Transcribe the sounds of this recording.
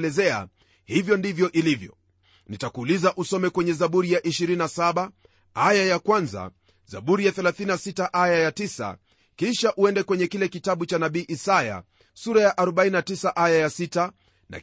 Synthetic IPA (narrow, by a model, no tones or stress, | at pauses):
lɛzɛa̰ | hivjɔndivjɔʔilivjɔ̰ | nitakuːlizaʔusɔmɛkwɛɲɛzaɓuɾijaʔiʃiɾinnasaɓa | ajajakwanza̰ | za̰ɓuɾijaθɛlaθininasitaʔajajatisa̰ | kiʃaʔuɛndɛkwɛɲɛkilɛkitaɓut͡ʃanaɓiːʔisaja̰ | suɾajaʔaɾɔɓaininatisaʔajajasita | na̰